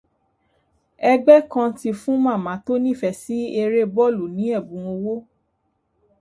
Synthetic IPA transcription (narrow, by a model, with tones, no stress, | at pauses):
ɛ˧ɡ͡bɛ˦kã˧ti˧fũ˦mãː˦˨mã˨˦to˦nĩ˦˨fɛ˨si˦e˧ɾe˦bɔ˦˨lu˨nĩ˨˦ɛ˦˨bũ˨˦o˧wo˦